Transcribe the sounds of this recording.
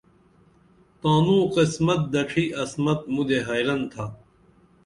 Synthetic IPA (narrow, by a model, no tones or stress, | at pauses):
t̪ãːnũːqismɐt̪̚d̪ɐʈ͡ʂʰiːʔɐsmɐt̪̚mud̪eɦɐːjɾɐnt̪ʰa